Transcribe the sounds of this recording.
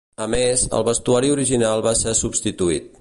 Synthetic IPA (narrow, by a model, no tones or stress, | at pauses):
əmezə̰lˠβəst̪uaɾiuɾiʒinalˠβasɛsubst̪it̪uḭt̪̚